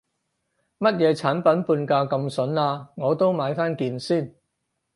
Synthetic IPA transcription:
mɐ˥t̚jɛː˨˧t͡sʰaː˨˥npɐ˨˥npuː˧nkaː˧kɐ˧msɵ˨˥naː˧ŋɔː˨˧t̪o˥wmaː˨˧jfaː˥nkiː˧nsiː˥˩n

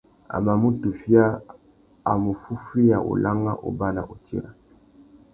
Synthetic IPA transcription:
a̰˨ma˨mu˦tu˨fi˦a˦ | a˨mu˨fu˦fi˦ja˨ʔo̰˨la˦ŋɡa̰˦ʔo̰˨ba˦la˨ʔo˨tḭ˦ɾa˨

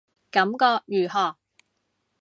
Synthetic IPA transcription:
kɐ˨˥mkɔː˧k̚jyː˨˩hɔː˨˩

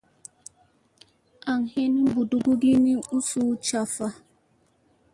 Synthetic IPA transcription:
a˨ŋ̩˨he˦ni˦bu˨du˦ɡʊ˦ɡi˦ni˦u˦su˦t͡ʃa˨fa˦

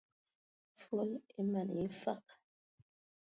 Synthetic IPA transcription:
fwo˦li˦ma˨n˨i˦fa̰˦˨q

